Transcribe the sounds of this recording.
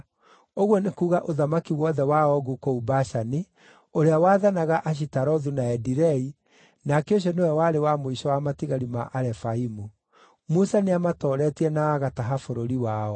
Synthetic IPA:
oɣwɔnekuːɣaʔoðamakiwɔðɛwaɔɣukoubaʃani | oɾeawaːðanaɣaʔaʃ̬itaɾɔðunaɛdiɾɛi | nakeoɕ̬ɔnewɛwaɾewamoiɕɔwamatiɣaɾima̰ʔaɾɛfaimu | musaneamatɔɾɛtiɛnaːɣataɦafoɾoɾiwaɔ

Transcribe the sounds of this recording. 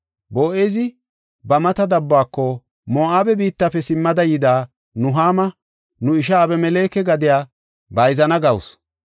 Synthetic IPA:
boːʔezɪ | bɐmɐt̪ɐd̪ɐbːaːkːɔ | moːʔaːbɛbiːt̪ːɐpːɛsɪmːɐd̪ɐjɪd̪aː | nʊɦaːmɐ | nʊɪʃ̬ɐːbɛmɛle̞ːkɛɡɐd̪ɪjaː | bɐjzɐnɐɡɐwʊ̰s

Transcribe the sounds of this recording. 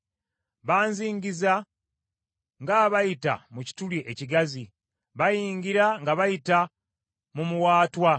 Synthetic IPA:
βaːnziːɲɟiza | ŋɡaβajita̰muci̥tuliʔeciɡazi | βajiːŋɟiɾaŋɡaβajita | mumuwaːtwa

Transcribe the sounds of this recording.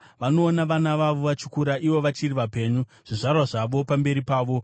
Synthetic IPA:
ʋano̞ːnaʋanaʋaʋo̞ʋat͡ʃu̥kuɾaʔiʋo̞ʋat͡ʃiriʋape̞ːɲu | ʐ̥iʐarwaʐaʋo̞pambe̞ɾipaːʋo̞

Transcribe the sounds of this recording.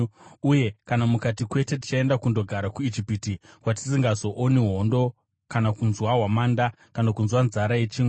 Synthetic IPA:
uje̞kanamukatikwe̞te̞t̬i̥t͡ʃae̞ndakundo̞ɡʱaɾakuid͡ʒipitikwat̬i̥siŋɡazo̞ʔoniɦo̞ndo̞ | kanakunzwaɦwamaːnda | kanakunzwanzaɾajet͡ʃiŋ

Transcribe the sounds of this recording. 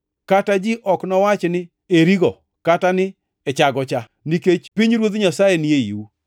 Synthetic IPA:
katad͡ʒɪʔɔknɔwat͡ʃnɪ | eɾiɡɔ | katanɪ | ɛt͡ʃaɡɔt͡ʃa | niket͡ʃpiɲɾwot̪ɲasajenɪeḭwu

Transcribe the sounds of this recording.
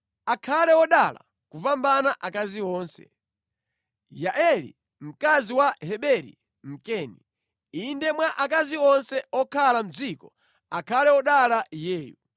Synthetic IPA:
akʰalɛɔɗala̰ | kupambanaʔakaziɔːnsɛ̰ | jaʔɛlḭ | m̩kaziwahɛɓɛɾḭ | m̩kɛːnḭ | indɛmwaʔak̬aziɔnsɛɔkʰalam̩d͡zikɔ | akʰalɛɔɗalajɛːjṵ

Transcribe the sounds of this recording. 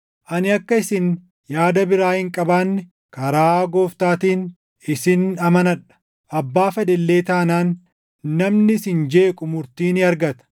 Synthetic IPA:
ʔɐnɪɐkːɐɪsɪn | jaːd̪ɐbɪɾaːhɪŋkʼɐbaːnːɪ | kɐɾaːɡoːft̪aːt̪iːn | ɪsɪnɐmɐnɐᶑɐ̥ | ʔɐbːaːfɛd̪ɛlːe̞ːt̪aːnaːnː | ɐmnɪsɪnd͡ʒe̞ːkʼʊmʊɾt̪iːnɪɐɾɡɐt̪ɐ̥

